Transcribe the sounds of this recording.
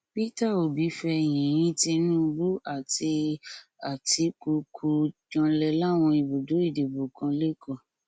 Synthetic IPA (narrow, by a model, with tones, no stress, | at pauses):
pi˦ta˦˨o˨bi˨˦fɛ˧˨j̃ĩ˨j̃ĩ˦ti˧nũ˦˧bu˦a˦˨ti˧a˨ti˨˧ku˧kʰu˧d͡ʒã˧lɛ˧la˦˨w̃ɔ̃˧i˨bo˨do˨˦i˦˨de˨bu˨kã˧le˦kɔ̃˦˨